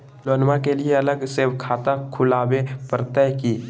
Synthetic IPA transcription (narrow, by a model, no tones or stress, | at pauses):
loːnmakelieələɡsewkʰaːt̪akʰʊlaːwepəɾt̪əjkiː